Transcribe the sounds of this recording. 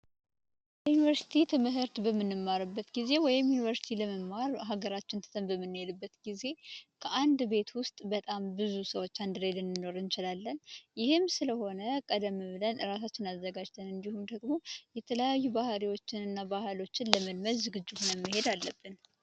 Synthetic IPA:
jɛjunivəɾsi̥t̪ʰit̪ʰɨmɨɦɨɾt̪bəmːɨnːɨmːaɾɨbːət̪ɡize̞wɔjɪmjunivəɾsi̥t̪ʰiləməmːaɾɦaɡəɾat͡ʃːɪnt̪ʰə̥t̪ʰəmbəmːɨnːɨjelɨbːət̪ɡize̞kʰəʔand̪be̞t̪wʊst̪ʼbət̪ʼambɨzusəwo̞t͡ʃːand̪ɨɾed̪ɨnːɨno̞ɾɨnt͡ʃɪlalːənjɪhɨmsɨləho̞nəkʼəd̪əmːɨβlənɨɾas̬at͡ʃːɪnazːəɡad͡ʒt̪ʰənɨnd̪ihumd̪əɡmo̞jɛt̪ʰələjajːubahɾiwo̞t͡ʃːɪnɨnːabahlo̞t͡ʃːɪnləməlməɾzɨɡɨd͡ʒːɨhunəmːɨɦe̞d̪alːəbːɨn

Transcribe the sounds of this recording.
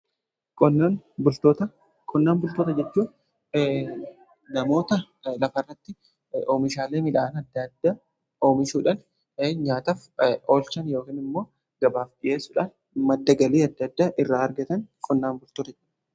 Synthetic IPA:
kɔnːanbʊlt̪oːt̪ɐ | kʼɔnːaːnbʊlt̪oːt̪ɐd͡ʒɛt͡ʃːuː | nɐmo̞ːt̪ɐ | lɐfɐrːɐt̪ːɪ | oːmɪʃaːleːmɪᶑaːnɐd̪ːɐd̪ːaː | oːmɪʃuːᶑɐn | ɲaːt̪ɐfoːlt͡ʃɐnjo̞ːkiːnɪmːo̞ː | ɡ̥ɐbaːfᶑɪje̞ːsːʊᶑɐn | mɐd̪ːɐɡɐliːɐd̪ːɐd̪ːaːʔɪrːaːɾɡɐt̪ɐnkʼɔnːaːnbʊlt̪oːt̪ɐt͡ʃɐ̥

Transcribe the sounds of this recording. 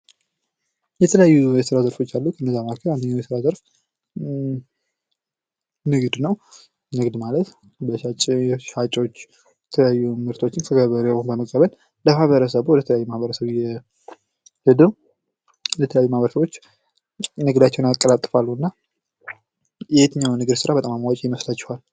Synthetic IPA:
jɛt̪ʰələjajːuɛsɨɾazəɾfo̞t͡ʃːalːukʰənːəzːamakʰəɾand̪əɲːawjɛsɨɾazəɾf | nɨɡd̪nəw | nɨɡd̪malət̪ | bəʃat͡ʃʼjɛʃat͡ʃʼo̞t͡ʃː | jɛt̪ʰələjajːumɨɾt̪ʰo̞t͡ʃːɪnk̪ʰəɡəβəɾnbəməkʼːəβəl | ləmahβəɾəsəβuwɔd̪ət̪ʰələjajːumahbəɾəsəβjɛ | hɨd̪əw | d̪ət̪ʰələjajːumahβəɾəsəβot͡ʃː | nɨɡd̪at͡ʃːɛwnakʼːəlat̪ʼːɨfalːuɨnːa | jɛhet̪ʰɨɲːawnɨɡɨd̪sɨɾabət̪ʼamamawat͡ʃʼijɪməslat͡ʃːɛ̥hal

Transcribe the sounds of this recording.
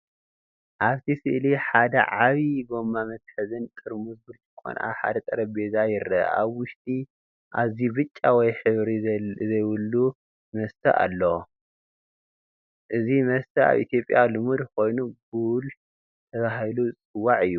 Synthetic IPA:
ʔaβt̪ʰisɨʔliħad̪ɐ̰ʕaβiɡo̞mːamɐt̪̚ħɨzɨnt̪ʼɨɾmuzbɨltʰɨkʰʼːo̰nʔa̰ħa̰d̪ɐt̪ʼɐɾɐbezajɪɾɐ̰a̰βwʊʃt̪ʼi | ʔa̰βzibɨt͡ʃʼːawɔjħɨβɾizɐjwʊlːu | mɐst̪ʰɐʔa̰lːɐ | ʔɨzimɐst̪ʰɐa̰βʔḭt̪ʰjo̞pʼjalɨmud̪ko̞jnuɡul | t̪ʰɐβaɦilut͡sʼɨwːaʕɨjːu

